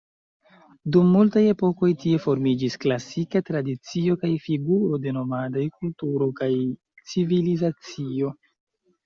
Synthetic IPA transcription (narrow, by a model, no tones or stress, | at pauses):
dumːultaje̞po̞ko̞jtie̞fo̞ɾmid͡ʒisklasikatɾadit͡sio̞kajfiɡuɾo̞de̞no̞madajkultuɾo̞kaj | t͡sivilizat͡sio̞